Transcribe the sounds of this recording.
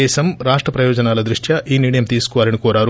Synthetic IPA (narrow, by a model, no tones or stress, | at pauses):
ɛːʃɐmɾaːʂʈɾɐpɾɐjɔːd͡ʒɐnaːlɐd̪ɾuʂʈʰjɐʔiːniːɽɐjɐmt̪iːsu̥kɔʋaːlɐnikɔːɾaːɾu